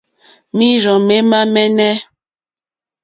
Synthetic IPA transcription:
mi˦ɾɔ˨me˦ma˦mɛ˦nɛ˦

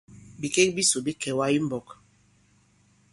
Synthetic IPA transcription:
bi˨ke˦k̚bi˦so˨bi˦kʰɛ˨wa˦i˦m̩˦bɔ˨k

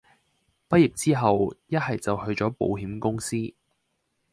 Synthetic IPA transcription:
pɐ˥t̚ji˨˩p̚t͡siː˥ɦɐ˨wjɐ˥t̚hɐ˨jt͡sɐ˨whɵ˧ɥt͡sɔː˨˥po̰˨˧wɦiː˨˥mkʊ˥ŋsiː˥

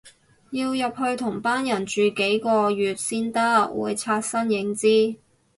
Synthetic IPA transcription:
jiː˧wjɐ˨p̚hɵ˧ɥt̪ʰʊ˨˩ŋpaː˥njɐ˨˩nt͡ʃyː˨ke˨˥jkɔː˧jyː˨t̚siː˥nt̪ɐ˥wṵː˨˧jt͡sʰaː˧t̚sɐ˥njɪ˨˧˥ŋt͡siː˥

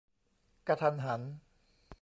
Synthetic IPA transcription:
ka˧t̪ʰa˧nɦa˩˦n

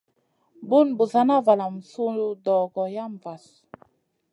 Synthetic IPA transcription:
bu˦nbu˨za˨˦na˦va˨la˨m̩˨su˦u˦dɔ˨ɡɔ˨ja˦m˨va˨s

